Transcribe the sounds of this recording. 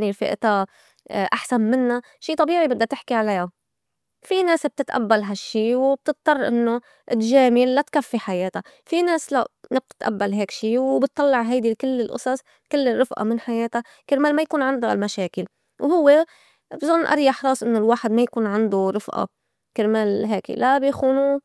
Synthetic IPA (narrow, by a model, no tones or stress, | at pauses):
niɾfɪ̰ʔt̪a | ʔaħsanmɪnːa | ʃiːt̪ˤɑbiːʕibɪd̪ːat̪ɪħkiʕalaja | fineːsb̚t̪ɪt̪ʔa̰bːalɦaʃːiːwb̚t̪ɨt̪̚ˤːɑrˤːʔɪnːo | ʔɪlʒeːmilːat̪kafːiħajeːt̪a | fineːsla̰ʔnɪb̚t̪ɪ̥t̪ʔa̰bːalɦeːkʃiːwbɪt̪ːˤɑlːɪʕɦajd̪ikɪlːɪlʔʊ̰sˤɑsˤ | kɪlːɪrːɨfʔa̰mɪnħajeːt̪a | kɪɾmeːlmajakuːnʕɪnd̪almaʃeːkɪl | whʊwːe | bzˤʊnːʔɑ̰ɾˤjɑħɾˤɑːsˤʔɪnːolwaːħɪd̪majakuːnʕɪnd̪uɾˤɨfʔɑ̰ | kɪɾmeːlɦeːklʔabjixuːnu